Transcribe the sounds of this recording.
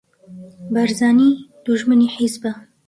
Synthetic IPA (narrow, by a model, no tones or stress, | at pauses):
bɐɾzɑːniːd̪̥uʒmɨniːħizbɨ